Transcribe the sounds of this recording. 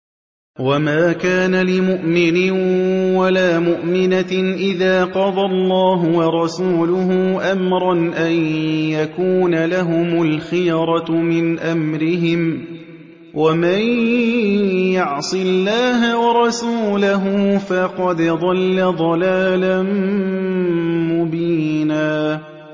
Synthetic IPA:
wamaːkaːnalɪmʊʔmɪnɪnwalaːmʊʔmɪnaʔɪðaːqɑd̪ˤɑlˤːɑːɦʊwɑɾˤɑsuːlʊɦʊʔamɾˤɑnʔanjakuːnalaɦʊmʊlxɪjɾˤɑmɪnʔamɾɪɦɪm | wʔaman | jɑʕsˤɨlːaːɦawɑɾˤɑsuːlaɦʊfɑqɑd̪d̪ˤɑlːad̪ˤɑlaːlan | mʊbiːnaː

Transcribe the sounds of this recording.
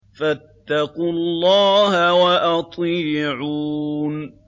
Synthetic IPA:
fat̪ːɑqʊllːɑːhawaʔɑt̪ˤiːʕuːn

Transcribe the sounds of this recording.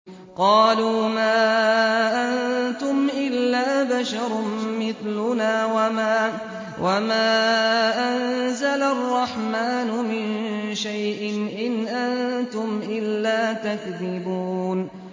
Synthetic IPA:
qɑːluːmaːʔant̪ʊmʔɪlːaːbaʃɑɾˤmɪθlʊnaːwa | wamaːʔanzalarˤːɑħmaːnʊmɪnʃajʔɪnʔɪnʔant̪ʊmʔɪlːaːt̪akðɪbuːn

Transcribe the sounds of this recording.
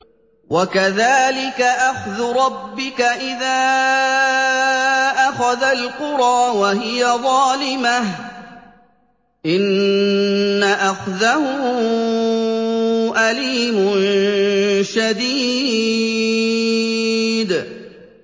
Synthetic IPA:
wakaðaːlɪkaʔaxðʊɾˤɑbːɪkaʔɪðaː | ʔaxaðalqʊɾˤɑːwaɦɪjaðˤɑːlɪmah | ʔɪnː | aʔaxðahʊʊ | ʔaliːmʊn | ʃad̪iː | d̪

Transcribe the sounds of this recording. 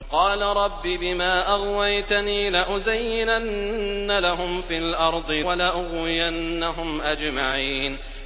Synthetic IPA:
qɑːlaɾˤɑbːiːbɪmaːʔaɣwajt̪aniːlaʔʊzajːɪnanːalaɦʊmfiːlʔɑɾˤd̪ˤɨwalaʔʊɣwɪjanːaɦʊmʔad͡ʒmaʕiːn

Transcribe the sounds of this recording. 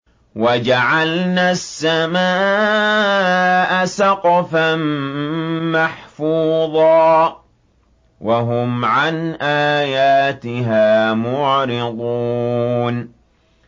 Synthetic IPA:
wad͡ʒaʕalnasːamaː | ʔasɑqfam | maħfuːðˤɑː | waɦʊmʕanʔaːjaːt̪ɪɦaːmʊʕɾɪd̪ˤuːn

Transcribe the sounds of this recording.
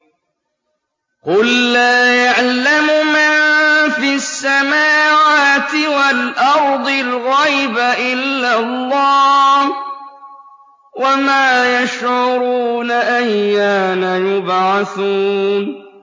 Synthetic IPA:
qʊlːaːjaʕlamʊmanfiasːamaːwaːt̪ɪwalʔɑɾˤd̪ˤɨlɣajbaʔɪlːalˤːɑːh | wamaːjaʃʕʊɾuːnaʔajːaːnajʊbʕaθuːn

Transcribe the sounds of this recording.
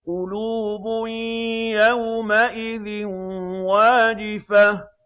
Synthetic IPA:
qʊluːbʊjawmaʔɪðɪnwaːd͡ʒɪfa

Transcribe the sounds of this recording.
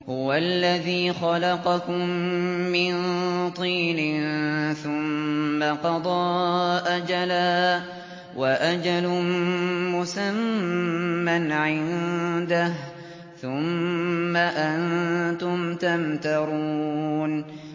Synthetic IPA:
hʊwalːaðiːxɑlɑqɑkʊmːɪnt̪ˤiːnɪnθʊmːaqɑd̪ˤɑːʔad͡ʒalaː | waʔad͡ʒalʊ | mʊsamː | anʕɪnd̪ah | θʊmːaʔant̪ʊmt̪amt̪ɑɾˤun

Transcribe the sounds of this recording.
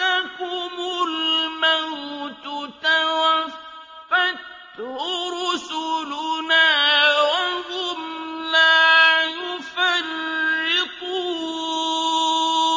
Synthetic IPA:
takʊmʊlmawt̪ʊt̪awaffː | at | ɾʊɾʊsʊlʊnaːwahʊmlaːjʊfarɪqu

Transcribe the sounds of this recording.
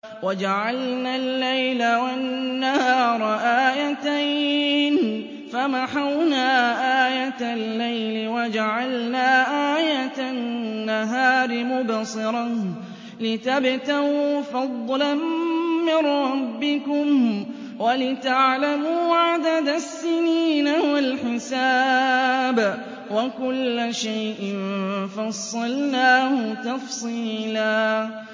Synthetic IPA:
wad͡ʒaʕalnaːlːajlawannːahɑːɾˤʔaːjat̪ajn | famaħawnaːʔaːjat̪alːajlɪwad͡ʒaʕalnaːʔaːjat̪anːaɦaːɾɪmʊbsˤɨɾˤɑn | lɪt̪abt̪awfɑd̪ˤːlanmɪnɾːɾɑbːɪkʊm | walɪt̪aʕlamuːʕad̪ad̪asːɪniːnawalħɪsaː | b | wakʊlːaʃajʔɪnfɑsˤːɑlnaːhʊt̪ɑfsˤiːlaː

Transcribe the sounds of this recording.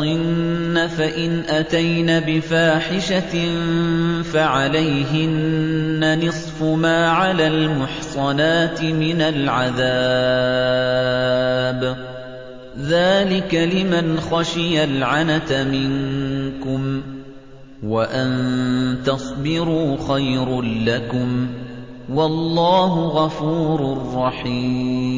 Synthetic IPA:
ɪnːafaʔɪnʔat̪ajnabɪfaːħɪʃa | faʕalajɦɪnːanɨsˤfʊmaːʕalaːlmʊħsˤɑnaːt̪ɪmɪnalʕaðaː | b | ðaːlɪkalɪmanxaʃɪjalʕanat̪amɪŋkʊm | waʔant̪ɑsˤbɪɾuːxajɾʊnlakʊm | wɑlˤːɑːɦʊɣɑfuːɾʊrˤːɑħiːm

